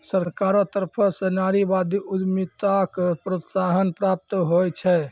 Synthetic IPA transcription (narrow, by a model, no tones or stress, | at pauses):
səɾkaɾɔt̪əɾpʰɔsenaɾibad̪iud̪mit̪akpɾot̪saɦənpɾap̚t̪ɦojt͡ʃʰɛ